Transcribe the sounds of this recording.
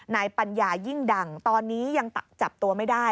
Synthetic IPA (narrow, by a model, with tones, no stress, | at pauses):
naː˧jpa˧njaː˧ji˥˩ŋda˨˩ŋt̪ɔː˧nːiː˦˥ja˧ŋt̪t͡ɕa˨˩p̚t̪u˧ɐma˥˩jdaː˥˩j